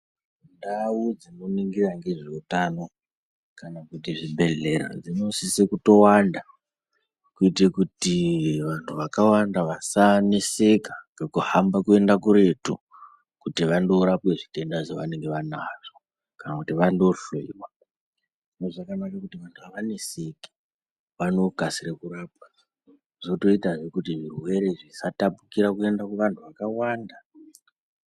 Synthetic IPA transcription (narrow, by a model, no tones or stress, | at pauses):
ndaud͡zino̞niŋɡiraŋɡe̞ʐeutano̞ | kanakutiʐibʱe̞ɮe̞ra̰d͡zino̞sisekuto̞wanda | kuitekutiʋantʰuʋakawandaʋasanese̞kaŋɡekuhambakue̞ndakuɾe̞tu | kutiʋando̞ɾapwe̞ʐite̞ndaʐeʋane̞ŋɡe̞ʋanaʐ̥o | kanakutiʋando̞ɬoḭwa | ʐinoʐakanakakutiʋantʰuʋaʋane̞se̞ke̥ | ʋano̞kasirekuraːp̚a | ʐoto̞itaʐekutiʐirwe̞ɾe̞ʐisatapukiɾakue̞ndakuʋantʰuʋakawaːnda